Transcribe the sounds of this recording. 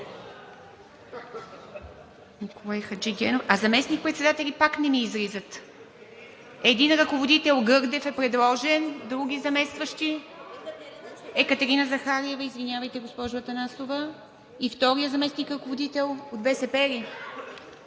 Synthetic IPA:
nikolˠajxɐd͡ʒiɡʲɛnofazɐmɛsnik̚pɾɛt̪sɛd̪at̪ɛlʲipaknɛmiːzɾizət̪ | ɛd̪inɾɐkovod̪it̪ɛlˠɡɤɾd̪ɛfɛpɾɛd̪lˠɔʒɛnd̪ɾuɡ̟ʲizɐmɛst̪vəʃt̪i | ɛkət̪ɛɾinəzɐxaɾiɛvəizvinʲjavəjt̪ɛɡospɔʒovət̪ɐnasovə | ift̪ɔɾijəzɐmɛsnikɾɐkovod̪it̪ɛlˠot̪vɛsɛpɛɾi

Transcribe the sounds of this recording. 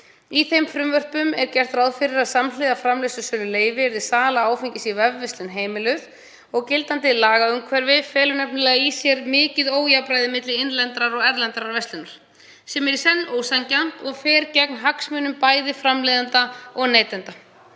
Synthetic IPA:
iθejmfɾʏmvœr̥pʏmɛɾcɛr̥t̪ɾawðfɪɾɪɾaðsamlɪːðafɾamlesʏsœːlʏleːjvɪɛɾðɪsaːlaaːwfɪɲcɪsivɛvːɛst̪lɪnɦeːjmɪlʏð | ɔɣcɪlt̪ant̪̬ɪlaːɣaʏmkʰvɛɾvɪfɛːlʏnɛpnʏlɛːɣaisjɛɾmɪːcɪðoːwjapɾajðɪmɪt̪lɪɪnlɛnt̪ɾaɾɔɣɛɾlɛnt̪aɾaɾvɛst̪ʏnaɾ̥ | sɛmɛɾɪ̥sɛnːoːwsancan̥t̪ɔɣfɛːɾcɛknɦaksmʏːnʏmpaːjðɪfɾamleːðant̪aɔɣneːjt̪ɛnt̪a

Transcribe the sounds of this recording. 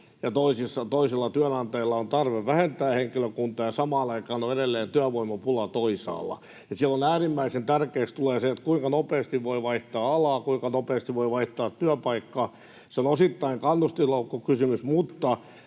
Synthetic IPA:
jɑt̪oisisːɑt̪oiselːɑt̪yænɑnt̪eilːɑont̪ɑrʋeʋʋæhent̪æːheŋkiløkunt̪ˑɑːjɑsɑmɑːnɑikɑːnoedelːeːnt̪yæʋoimɑpulɑt̪oisɑ̰ːlːˑɑ̰ | jɑsiælːonæːrimːæisent̪ærkeːkst̪uleːseet̪kuiŋkɑnopeːst̪iʋʋoiʋɑiht̪ɑːɑlɑːkuiŋkɑnopeːst̪iʋʋoiʋɑiht̪ɑːt̪tyæpɑikːɑ | seonosit̪ːɑiŋkɑnːust̪isloukːokysymysmut̪ːɑ

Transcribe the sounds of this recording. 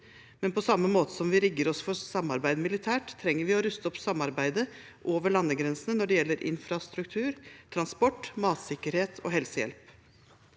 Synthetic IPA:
mɛnpʰɔsɑmːəmoːt̪əsɔmʋɪɾɪɡːəɾɔsfɔɾsɑmːɑɾbæɪd̪mɪlɪt̪ʰæːʈt̪ʰːɾɛŋːəɾʋɪɔɾʉst̪əɔpsɑmɑɾbæɪd̪ə | ʔoːʋəɭɑnːəɡɾɛnsənənɔɖɛjɛlːəɾʔɪ̰nfɾɑst̪ɾʉkt̪ʰʉːɾt̪ʰɾɑnspɔʈːmɑːt̪sɪkːəɾheːt̪ʰɔ̰ːɦɛlsəjɛ̰lp

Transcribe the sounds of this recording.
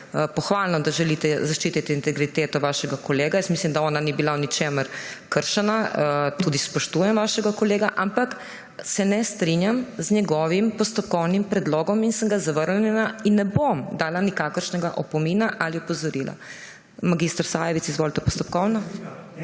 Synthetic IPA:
pɔxʋalnɔd̪aʒɛlit̪ɛzaʃt͡ʃiːt̪it̪ɛint̪ɛɡɾit̪eːt̪ɔʋaːʃɛɡakɔleːɡajəst̪mislimd̪aɔːnanibilawnit͡ʃeməɾkəɾʃɛnat̪uːd̪ispɔʃt̪uːjɛmʋaːʃɛɡakɔleːɡaʔampak | sɛnɛst̪ɾinjamzɲɛɡɔʋimpɔst̪ɔp̚kɔwnimpɾɛd̪lɔːɡɔminsəŋɡazaʋəɾnɛnainːɛbomd̪aːlanikaːkəɾʃnɛɡaʔɔpɔminaʔaliɔpɔzɔɾila̰ | maɡist̪ɾsajɛʋit̪sizʋoːlt̪ɛpɔst̪ɔpkɔwnɔ

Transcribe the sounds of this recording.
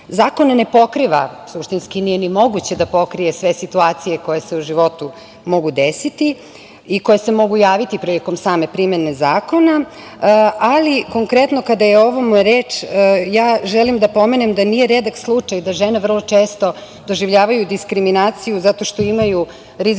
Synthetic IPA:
zaːko̞nanepo̞kɾiʋa̰suʃt̪inskinije̞nimo̞ɡut͡ɕe̞d̪apo̞kɾije̞sʋe̞sit̪uaːt̪sijeko̞jeseuʒiʋo̞t̪u | mo̞ɡud̪esit̪i | iko̞jese̞mo̞ɡujaːʋit̪ipɾiliko̞msaːme̞pɾimenezaːko̞na | aliko̞ŋkɾet̪no̞kad̪ajeo̞ʋomoɾeːt͡ʂjaːʒelimd̪apo̞me̞nemd̪anijeɾed̪akslˠut͡ʂajd̪aʒeneʋər̩lˠo̞t͡ʃeːst̪o̞ | d̪o̞ʒiʋʎaːʋajud̪iskɾiminaːt̪sijuzat̪o̞ʃt̪o̞imaju | ɾiz

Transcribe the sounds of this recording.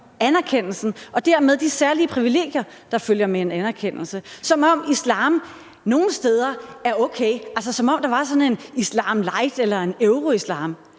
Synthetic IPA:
ænæɐkʰen̰l̩sn̩ʔɒ̽d̥æɐmeð̞ˠd̥isæɐliəpʰʁiʋile̝̰ːɡ̥jɐ | d̥ɑ̈føljɐmee̝nænæɐkʰen̰l̩səsɒ̽mɒ̽m̰islɑ̰̈ːm | no̝ːn̩sd̥eːð̞ˠɐæɐɔʊkʰḛɪæls̬əsɒ̽mɒ̽m̰d̥ɑ̈ʋɑ̈sɒ̽ne̝nislɑ̈ːmlɑ̈ɪd̥elɐe̝neʊʁo̝islɑ̰̈ːm

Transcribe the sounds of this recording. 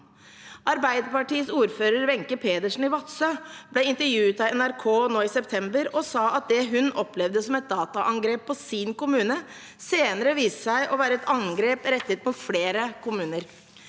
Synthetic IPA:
ʔɑɾbæɪd̪əpɑʈiːəsuːɾføːɾəɾʋɛŋkəpʰeːd̪əʂn̩ɪʋɑt̪səblɛɪnt̪əɾjʉːt̪ɑɛnæɾkʰoːnoːɪsɛpt̪ʰɛmbəɾɔsɑːʔɑt̪̚d̪ɛɦʉnɔplɛʋd̪əsɔmɛt̪̚d̪ɑːt̪ɑʔɑŋɡɾeːpʰːɔsinkʊmʉːnə | seːnəɾəʋiːsəsæɪʔɔʋæːɾəɛt̪ɑŋɡɾeːpɾɛt̪ːət̪̚mʊt̪fleːɾəkʰʊmʉːnəɾ

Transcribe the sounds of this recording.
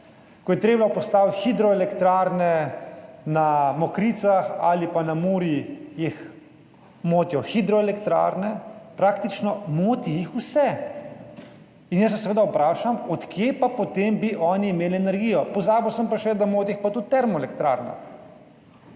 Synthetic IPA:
kɔjɛt̪ɾeːblapɔst̪aːwt̪xid̪ɾɔɛlɛkt̪ɾaːɾnɛ | namɔkɾiːt̪saxa̰lipanamuːɾjijix | moːt̪jɔxid̪ɾɔɛlɛkt̪ɾa̰ːɾnɛpɾaːkt̪it͡ʃnɔmoːt̪ijixusɛ | injəs̬ːɛs̬ɛʋeːd̪aupɾaːʃamɔt̪kjepapɔt̪embiʔɔːniːmeːliɛnɛɾɡijɔpɔzaːbɔwsəmpaʃɛd̪amoːt̪iixpat̪ut̪̚t̪ːɛɾmɔɛlɛkt̪ɾa̰ɾna̰

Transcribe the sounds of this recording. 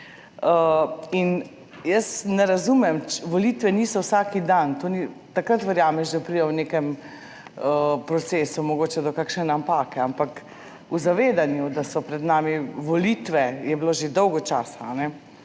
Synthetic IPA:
əin | jəsnɛɾazuːmɛmt͡ʃʋɔliːt̪ʋɛniːsɔwsaːkid̪ant̪oːnit̪akɾat̪ʋɛɾjaːmɛʃd̪apɾid̪ɛwnekɛm | əpɾɔt̪seːsumɔɡoːt͡ʃɛd̪ɔkakʃnɛnampaːkɛampak | uzaʋeːd̪anjud̪asɔpɾɛd̪naːmiʋɔlit̪ʋɛjɛbloːʒed̪ɔwɡɔt͡ʃaːsaːnɛ

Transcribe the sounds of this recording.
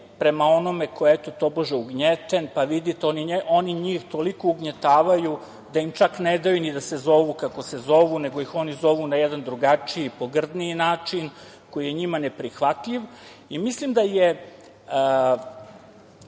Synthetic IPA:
pɾe̞mao̞no̞mekʰojet̪ot̪o̞boʒeuɡɲet̪enpaʋid̪it̪eoniʔo̞niɲiːxt̪o̞likouɡɲet̪aːʋaju | d̪aimt͡ʃakned̪ajunid̪asezo̞ʋukako̞se̞zo̞ʋune̞ɡo̞ixo̞nizo̞ʋunajɛd̪and̪ɾuɡat͡ʂiipo̞ɡr̩d̪niinaːt͡ʂin | ko̞jijeɲimanepɾixʋat̪ʎiʋ | imislimd̪aje

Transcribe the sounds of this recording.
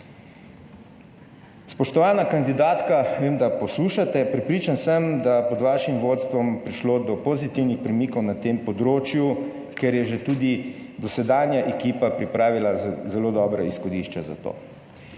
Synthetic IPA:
spɔʃt̪ɔʋaːnakand̪id̪aːt̪kaʋeːmd̪apɔsluʃat̪ɛpɾɛpɾiːt͡ʃansəmd̪apɔd̪ʋaːʃimʋoːt̪st̪ʋɔmpɾiʃloːd̪ɔpozit̪iwnixpɾɛmikɔwnat̪eːmpɔd̪ɾoːt͡ʃju | kɛɾjɛʒet̪uːd̪id̪ɔsɛd̪aːnjaʔekiːpapɾipɾaːʋilazɛloːd̪ɔːbɾɔisxɔd̪iʃt͡ʃɛza̰t̪o̰

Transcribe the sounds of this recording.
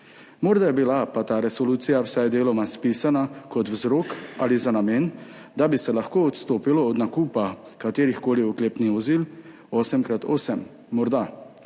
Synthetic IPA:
mɔɾd̪ajɛbilapat̪aːɾɛsɔluːt̪sijawsajd̪eːlɔmaspiːsanakɔt̪wzɾoːka̰lizanameːnd̪abisɛlaxkoːɔt̪st̪oːpilɔɔd̪nakuːpakat̪eːɾixkoːliɔkleːpniʋɔziːl | ɔːsɛmkɾat̪ɔːsɛmː | ɔɾd̪a

